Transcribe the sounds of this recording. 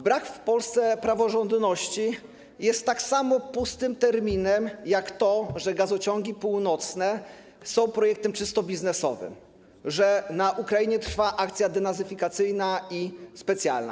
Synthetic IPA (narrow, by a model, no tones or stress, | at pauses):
bɾakfpɔlst̪sɛpɾavɔʐɔnd̪nɔɕt͡ɕi | jɛst̪ːaksamɔpust̪ɘmt̪ɛɾmʲinɛmjakt̪ɔʐɛɡazɔt͡ɕɔŋɡʲipuwnɔt̪snɛ | sɔ̃w̃pɾɔjɛk̚t̪ɛmt͡ʂɘst̪ɔbʲiznɛsɔ̰vɘ̰m | ʐɛnaʔukɾajiɲɛt̪ɾfaʔak̚t̪sʲjad̪ɛnazɘfʲikat̪sɘjnaispɛt̪sʲja̰lna̰